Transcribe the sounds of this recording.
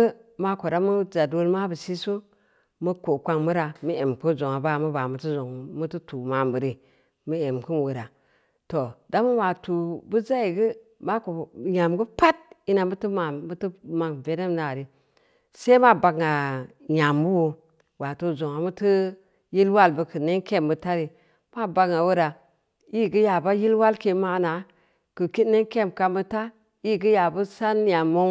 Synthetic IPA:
ə˦ma˦ko˨ɾa˦mu˦za˨do˦lma˦bə˨si˦su˦ | mu˦ko˨kʷa˦ŋmu˦ɾa˨mə˦e˨mku˦zo˨ŋa˨ba˦˨mu˦ba˨mu˨ti˦zo˨ŋ˨mu˦tɨ˦tu˨ma˨mbɨ˨ɾi˨ | mə˦e˨mku˦nwu˨ɾa˨ | to˨da˦mu˦wa˨tu˨bu˦za˦i˨ɡə˦ | ma˦ko˨ɲa˨mɡə˦pa˦t̚i˦na˨mə˦tɨ˦ma˨m˦tɨ˦ma˨ŋve˨ne˦mna˨ɾi˨ | se˦ma˦ba˨ɡŋa˨ | ɲa˨mbu˦wo˨ | wa˨to˨zo˨ŋa˨mu˦tɨ˦ | ji˦lwa˦˨lbə˨kɨ˨ne˦ŋke˦˨mbə˨ta˦ɾi˨ | ma˦˨ba˨ɡŋa˨wu˦ɾa˨ | i˦˨ɡi˦ja˨ba˦ji˦lwa˦lke˦ma˦na˨ | kɨ˨ki˦ne˦ŋke˦˨mka˨mə˦ta˦ | i˦˨ɡi˦ja˨bu˦sa˦nja˨mːo˦ŋ

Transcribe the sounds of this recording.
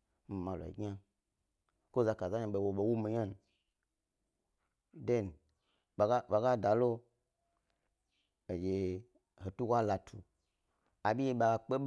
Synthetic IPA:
m̩˨ma˨la̰˨ḭ˨ɡʲa˦ | ko˦za˧ka˨za˦ɲa˧ɓe˨wo˨ɓo˨wu˦mi˨ɲa˦n˨ | de˦n˨ | a˨ɡa˦ɓa˨ɡa˦da˨lo˦ | e˨d͡ʒe˨ | ho˨tu˦ɡʷa˦la˨tʰu˨ | a˨ɓʲi˦je˧ɓa˧a˧k͡pe˦ɓ

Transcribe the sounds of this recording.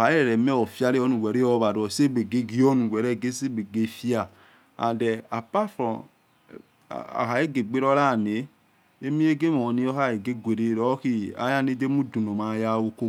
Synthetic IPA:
a˨˦e˦ɾɛ˨ɾɛ˨mɛ˦ɔ˨fi˦a˦ɾe˦ɔ˦nũ˨wɛ˨ɾe˦ɔ˦βa˨ɾɔ˨se˦be˨ɡe˦ɡi˦ɔ˦nũ˨wɛ˨ɾɛ˦˨ɡe˦se˦˨be˨ɡe˦˨fi˦a˨ | a̰˨dɛ˨a˨pa˦fɾɔ˨ | a̰˨ɦa˨je˦ɡe˨ɡ͡be˦ɾɔ˦ɾa˦˨ne˨˦ | e˦mĩ˦e˦ɡe˦mɔ˨ni˦ɔ˦a˦˨e˨ɡe˦ɡʷe˨ɾe˨ɾɔ˨˦ki˦a̰˨˦ja˦ne˦de˦mu˦du˨no˨ma˨ja˦˨wo˦ko˦

